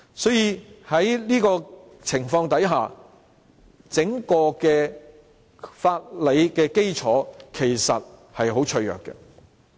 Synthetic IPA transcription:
sɔː˨˥jiː˨˧hɐ˨˥jliː˥kɔː˧ | t͡sʰɪ˨˩ŋfɔː˧ŋt̪ɐ˨˥jɦaː˨ | t͡sɪ˨˥ŋkɔː˧kɛː˧ | faː˧t̚le˨˧jkɛː˧ke˥jt͡sʰɔː˨˥kʰe˨˩jsɐ˨t̚hɐ˨jɦo˨˥wt͡ʃʰɵ˧ɥjœ̰ː˨kːɛ̰˧

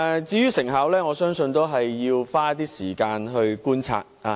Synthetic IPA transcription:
t͡siː˧jyː˥sɪ˨˩ŋɦɐ˨˥wlɛː˥ŋɔː˨˧sœː˥ŋsɵ˧nt̪o˥wɦɐ˨jːiː˧wfaː˥t̪iː˥siː˨˩kaː˧nɦɵ˧ɥkuː˥nt͡sʰa̰ː˧t̚aː˨˧

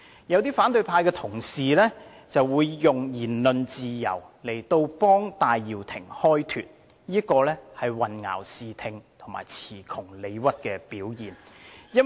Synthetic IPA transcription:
jɐ˨˧wt̪iː˥faː˨˥nt̪ɵ˧ɥpʰaː˧jkɛː˧t̪ʰʊ˨˩ŋsiː˨lɛː˥ | t͡sɐ˨wːuː˨˧jːʊ˨ŋjiː˨˩nlɵ˨nt͡siː˨jɐ̰˨˩wle˨˩jt̪o˧wpɔː˥ŋt̪aː˨jːiː˨wt̪ʰɪ˨˩ŋhɔː˥jt̪ʰy̰ː˨t̚ | jiː˥kɔː˧lɛː˥hɐ˨jwɐ˨nŋa̰ː˨˩wsiː˨t̪ʰɪ˨ŋt̪ʰʊ˨˩ŋma̰ː˨˩jt͡sʰiː˨˩kʰʊ˨˩ŋle˨˧jwɐ˥t̚kɛː˧piː˨˥wjiː˨˩njɐ˥

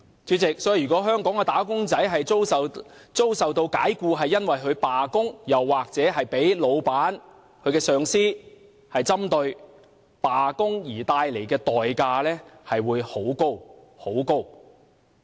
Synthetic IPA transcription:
t͡ʃyː˨˥t͡sɪ˨k̚sɔː˨˥ji˨˩yː˨kɔː˨˥ɦœː˥ŋkɔː˨˥ŋkɛː˧t̪aː˨˥kʊ˥ŋt͡sɐ˨˥jɦɐ˨jo˥wɐ˨t͡so˥wsɐ˨wt̪o˧wka̰ː˨˥jkuː˧ɦɐ˨jːɐ˥nwɐ˨jɦɵ˨˧ɥpaː˨kʊ˥ŋjɐ˨wːaː˨k̚t͡sɛː˨˥ɦɐ˨jpe˨˥jlo˨˧wpaː˨˥n | kʰɵ˨˧kɛː˧sœː˨˧ŋsiː˥ | hɐ˨jt͡sɐ˥mt̪ɵ˧ɥ | paː˨kʊ˥ŋjiː˨˩t̪aː˧jle˨˩jkɛː˧t̪ɔː˨jkaː˧lɛː˥hɐ˨jwuː˨˧jho˨˥wko˥w | ho˨˥wko˥w

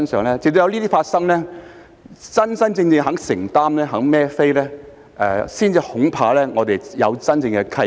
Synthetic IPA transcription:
ɐ˥nsœː˨˩ŋlɛː˦˥t͡sɪ˨k̚t̪o˧jɐ˧wliː˥t̪i˥faː˧t̚sɐ˥ŋlɛː˥ | t͡sɐ˥nsɐ˥nt͡sɪ˧ŋt͡sɪ˨˧ŋɦɐ˨˥ŋsɪ˨˩ŋt̪aː˥mnɛː˥ɦɐ˨˥ŋmɛː˥fe˥jlɛː˥ | ʔɛ̰ː˧siː˥nt͡siː˧hʊ˨˥ŋpʰaː˧lɛː˥ŋɔː˨˧t̪e˨jjɐ˨˧wt͡sɐ˥nt͡sɪ˧ŋkɛ˧kʰɐ˥

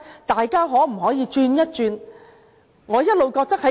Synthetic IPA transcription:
t̪aː˨jkaː˥ɦɔː˨˥m̩˨˩ɦɔː˨˥jiː˨˧t͡ʃyː˧njɐ˥t̚t͡ʃyː˧n | ŋɔː˨˧jɐ˥t̚lo˨wkɔː˧k̚t̪ɐ˥k̚hɐ˨˦

